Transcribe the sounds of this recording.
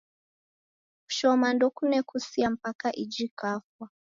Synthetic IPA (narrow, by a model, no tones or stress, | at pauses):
ku̥ʃɔmandɔkunɛkʰusiam̩pakaʔid͡ʒikafwa